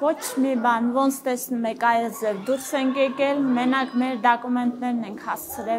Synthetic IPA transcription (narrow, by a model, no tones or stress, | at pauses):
vɔt͡ʃʰmibɑnvɔnt͡sʰt̪ɛsnumɛkɑjɛd͡zɛvd̪uɾsɛŋkjɛkɛlmɛnɑkmɛɾd̪ɑkumɛnt̪nɛɾnɛŋkʰhɑst͡sʰəɾɛ